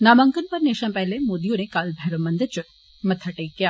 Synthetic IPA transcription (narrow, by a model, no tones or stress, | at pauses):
naːmɐŋkənpɐɾneːʃãmpɛɦlemoːd̪ijõnekaːlbʱɛɾomɐnd̪ɐt͡ʃʊ | mɐt̪ʰɐʈɐikea